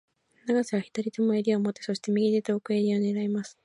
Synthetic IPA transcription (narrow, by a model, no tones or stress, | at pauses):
naɡaseβaçʲi̥t̪aɾʲit̪omoeɾʲiomo̞t̪ːe̞so̞ɕi̥t̪e̞mʲiɡʲid̪et̪eokɯe̞ɾʲio̞ne̞ɾaimasɨ̥